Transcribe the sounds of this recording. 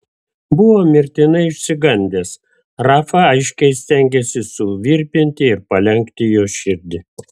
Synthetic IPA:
bʊʋoːmʲɪɾʲt̪ʲɪnɐɪɪʃʲsʲɪɡɐnʲd̪ʲeːs | ɾɑːfɐɐɪʃʲkʲɛɪsʲt̪ʲɛŋʲɡʲesʲɪsʊʋʲiːɾʲpʲɪnʲt̪ʲɪɪɾpɐlʲɛŋʲkt̪ʲɪjoːʃʲɪɾʲd̪ʲɪ

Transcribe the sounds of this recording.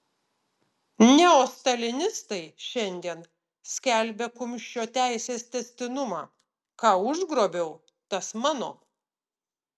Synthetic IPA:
nʲɛoːst̪ɐlʲɪnʲɪst̪ɐɪʃʲɛnʲd̪ʲiɛn | sʲkʲælʲbʲekʊmʲʃʲt͡ʃʲoːt̪ʲæˑɪsʲeːst̪ʲɛsʲt̪ʲɪnʊmɑ̰ː | kɑːʊʒɡɾoːbʲɛʊ | t̪ɐsmɑːno̰ː

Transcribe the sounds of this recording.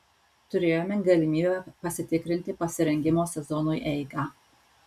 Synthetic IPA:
t̪ʊɾʲeːjoːmʲɛɡɐlʲɪmʲiːbʲɛpɐsʲɪt̪ʲɪkɾʲɪnʲt̪ʲɪpɐsʲɪɾʲɛŋʲɡʲɪmoːsʲɛzɔnʊjʔɛɪɡɑː

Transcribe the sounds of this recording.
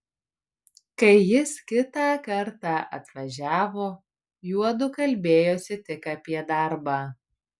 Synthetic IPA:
kɐɪjɪskʲɪt̪ɑːkɐɾt̪ɑːʔɐ̰t̪ʋɐʒʲæːʋoː | juɔd̪ʊkɐlʲbʲeːjoːsʲɪt̪ʲɪkɐpʲiɛd̪ɐˑɾbɑː

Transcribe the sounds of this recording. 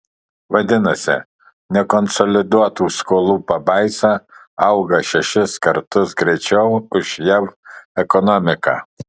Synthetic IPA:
ʋɐd̪ʲɪnɐsʲɪ̰ | nʲɛkɔnsɔlʲɪd̪uɔt̪uːskoːlˠuːpɐbɐɪsɑ | ɐʊɡɐʃʲɛʃʲɪskɐɾt̪ʊsɡɾʲɛɪt͡ʃʲɛʊʊʃjɛmɛkɔnɔmʲɪkɑ̰ː

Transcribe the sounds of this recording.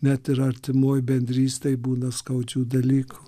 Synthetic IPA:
nʲɛt̪ɪɾɐɾʲt̪ʲɪmoːjbʲɛnʲd̪ʲɾʲiːst̪ɐɪbuːnɐskɐʊd͡ʒʲuːd̪ɐlʲiːku̥

